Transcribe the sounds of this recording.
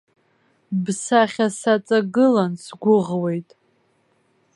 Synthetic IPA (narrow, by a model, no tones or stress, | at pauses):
bsaχʲasat͡sʼaɡɨlansɡʷʊʁwe̞jtʼ